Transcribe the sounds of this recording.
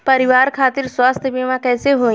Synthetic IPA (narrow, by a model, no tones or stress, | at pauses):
pɐɾɪʋaːɾkʰaːt̪ɪɾswaːst̪ʰbiːmãkɛːseɦõː